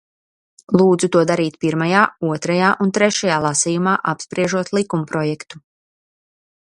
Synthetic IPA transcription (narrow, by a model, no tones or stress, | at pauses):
lˠuːd̪zut̪uɔd̪aɾiːt̪piɾmajaːuɔt̪ɾajaːʔunt̪ɾɛʃajaːlˠasijumaːʔapspɾiɛʒuɔt̪lˠikumpɾɔjɛkt̪u̥